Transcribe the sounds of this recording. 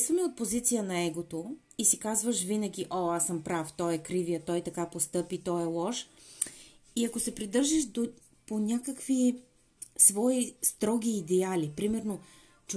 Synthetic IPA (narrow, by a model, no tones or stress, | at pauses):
svəmɛot̪̚pozit̪sijənɐɛɡot̪o | isikazvəʃvinəɡʲiʔoasəmpɾaft̪ɔjɛkɾivijət̪ɔjt̪ɐkapost̪ɤpit̪ɔɛlˠɔʃ | iɐkosɛpɾid̪ɤɾʒɛʃd̪o | ponʲakəkvi | svɔist̪ɾɔɡ̟ʲiːd̪ɛalipɾimɛɾno | t͡ʃ